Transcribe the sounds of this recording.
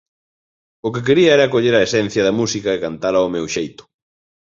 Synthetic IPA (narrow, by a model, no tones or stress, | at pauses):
ʊkek̬eɾiɐɛɾɐkoʎeɾɐesɛn̟θjɐðɐmusikɐekant̪alɐomewʃejt̪ʊ̥